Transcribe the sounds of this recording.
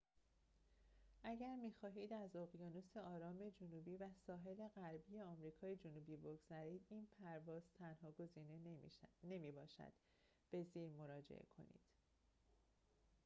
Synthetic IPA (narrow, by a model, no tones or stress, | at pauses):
ʔæɟæɾmiːxɒːɦiːd̪æzoɣjɒːnose̞ɒːɾɒːme̞d͡ʒonuːbiːvæsɒːɦe̞le̞ɣæɾbiːje̞ɒːmɾiːkʰɒːje̞d͡ʒonuːbiːbo̞ɡz̥æɾiːd̪iːnpʰæɾvɒːz̥t̪ʰænhɒːɡo̞ziːnene̞miːbɒːʃæ̰d̪̥ | b̥e̞ziːɾmo̞ɾɒːd͡ʒḛʔḛkʰo̞̰nḭːd̪̥